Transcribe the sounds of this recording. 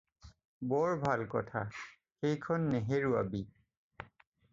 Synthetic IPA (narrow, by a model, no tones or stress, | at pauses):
bɔɹbʱalkɔ̰tʰa̰ | xejkʰɔnːeɦeɹua̰bi